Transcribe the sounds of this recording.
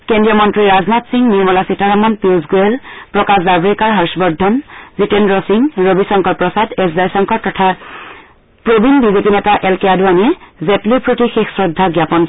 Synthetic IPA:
kendijɔmɔntɹiɹaznatsiŋnimɔlasitaɹamɔnpiuzɡuɛlpɹɔkaszabɹekaɹɦaɹsɔbɔdʱːɔnzitenɹɔsiŋɹobisɔŋkʰɔpɹɔsadɛszajsɔŋkʰɔɹtɔtʰa | pɹobinbizepinɛtaʔɛlkeaduaniɛzɛtlipɹotixexsɹɔdʱːaɡjapɔn

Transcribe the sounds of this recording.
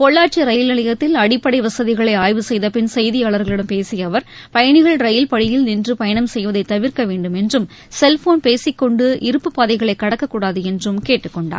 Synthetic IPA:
pɔɭːaːʈt͡ʃiɾɐjɪlɐɭɪɣɐt̪ːɪlɐɽɪpːɐɽɐɪʋɐsɐðɪɣɐɭɐɪaːjʋɯsɛjðɐpɪnsɛjðɪjaːɭɐɾɣɐɭɪɽɐmpeːsɪjɐʋɐɾpɐjɐɳɪɣɐɭɾɐjɪlpɐɽɪjɪlnɪndrɯpɐjɐɳɐmsɛjʋɐðɐɪt̪ːɐʋɪɾkɐʋeːɳɖɯmɛndrɯm | sɛlfoːnpeːsɪkːɔɳɖɯʔɪɾɯpːɯpaːðɐɪɣɐɭɐɪkːɐɽɐkːɐkːuːɽaːðɯɛndrɯmkeːʈːɯkːɔɳɖa̰ːɾ

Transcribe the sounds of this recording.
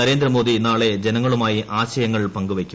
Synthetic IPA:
ɐɾe̞ːnd̪ɾɐmo̞ːðiːnːaːɭe̞d͡ʑenɐŋːɐɭumaːjiʔaːɕɐjɐŋːɐɭpɐŋɡuʋekʲːu

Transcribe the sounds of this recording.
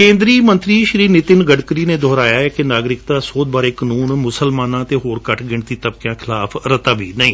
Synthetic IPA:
kẽːnd̪ɾiːmə̃nt̪ɾiːʃɾiːnɪt̪ɪnɡəɖkɾiːneːd̪ʱɔːɾaːjaːɛːkenaːɡɾɪkt̪aːsoːd̪̚baːɾeːkənuːnmʊsəlmaːnãːt̪eːɦoːɾkəʈʰɡɪɳt̪iːt̪əb̚kejãːkʰɪlaːpʰɾət̪aːbʱḭːnəĩː

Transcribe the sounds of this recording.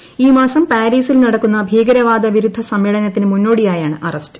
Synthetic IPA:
iːmaːsɐmpaːɾiːsilnɐɽɐkːunːɐbʱiːɡɐɾɐʋaːd̪ɐʋiɾud̪ʱːɐsɐmːeːɭɐnɐt̪ːinɨmunːo̞ːɽijaːjaːɳɨʔɐrɐstɨ̥

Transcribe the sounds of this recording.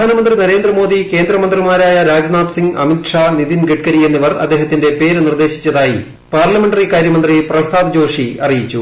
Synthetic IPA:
aːnɐmɐnd̪rinɐɾe̞ːnd̪rɐmo̞ːd̪ike̞ːnd̪rɐmɐnd̪rimaːɾaːjɐɾaːd͡ʑnaːt̪siŋɡɐmiʈʂaːniðinɡeʈ̚kɐɾie̞nːiʋɐrɐ̰d̪ːe̞ːɦɐt̪ːinde̞pe̞ːɾnird̪e̞ːɕi̥t͡ɕːɐðaːji | paːrlɐmeɳɖɐrikaːɾjɐmɐnd̪riprɐsaːd̪d͡ʑo̞ːʂiɐrijit͡ɕːu

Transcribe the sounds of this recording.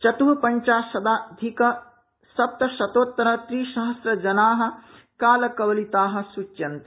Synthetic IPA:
t͡ʃɐt̪uɦupɐɲt͡ʃaːʃɐd̪aːd̪ʱikɐ | sɐp̚t̪ɐʃɐt̪oːt̪ːɐɾɐt̪ɾiːʃɐɦɐsɾɐd͡ʒɐnaːɦɐ̆ | kaːlɐkɐʋɐlit̪aːɦɐ̆sut͡ʃjɐnt̪i

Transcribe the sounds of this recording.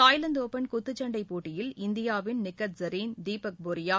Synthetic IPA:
aːjlɐnd̪oːpɐnkʊt̪ːɯt͡ʃːɐɳɖɐɪpoːʈːɪjɪlɪnd̪ɪjaːʋɪnnɪkːɐt̪zɐɾiːnd̪iːpɐk̚boɾɪjaː

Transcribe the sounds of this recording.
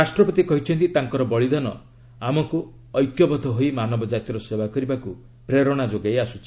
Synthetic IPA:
ɾasʈɾɔpɔt̪ikɔɦit͡ʃʰɔnt̪it̪aŋkɔɾɔbɔɭid̪anɔ | amɔku | ɔjkjɔbɔd̪ʱɔɦoimanɔbɔd͡ʒat̪jɔɾɔsebakɔɾibaku | pɾeɾɔɽ̃ad͡ʒoɡajasu̥t͡ʃʰi̥

